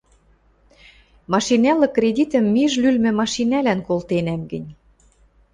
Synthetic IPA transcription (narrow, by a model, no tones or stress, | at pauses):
mɑʃinælɤ̆krʲedʲit̪ə̆mːiʒlylmɘ̆mɑʃinælænkolt̪enæmɡɘ̆nʲ